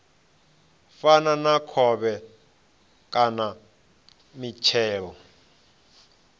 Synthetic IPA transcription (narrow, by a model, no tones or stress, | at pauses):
fananakʰɔβɛ | kʼana | mit͡ʃʰɛːɺɔ